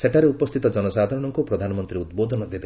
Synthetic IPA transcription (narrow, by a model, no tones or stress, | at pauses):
seʈaɾeupɔst̪ʰit̪ɔd͡ʒɔnɔsad̪ʱaɾɔɽɔŋkupɾɔd̪ʱanɔmɔnt̪ɾiud̪bod̪ʱɔnɔd̪ebe